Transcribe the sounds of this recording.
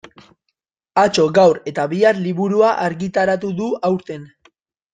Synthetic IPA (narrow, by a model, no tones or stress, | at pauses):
at͡ʃo̞ɡawɾe̞t̪aβiarliβuɾuaʔaɾɣit̪aɾat̪uðuawɾt̪e̞n